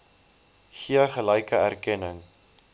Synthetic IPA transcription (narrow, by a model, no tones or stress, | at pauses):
χiəχəlɛjkəærkɛnəŋ